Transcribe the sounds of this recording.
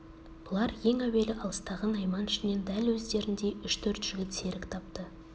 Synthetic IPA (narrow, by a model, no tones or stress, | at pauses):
b̥ʊlˠɑɾje̞ŋæwe̞lɪʔɑlˠəst̪ɑʁɑnɑjmɑnɪʃɪne̞nd̪ælwɵzd̪e̞ɾɪnd̪e̞ʏʃt̪ʰɵɾt̪ʒ̥ʏɡʲɪlt̪se̞ɾɪkt̪ʰɑp̚t̪ə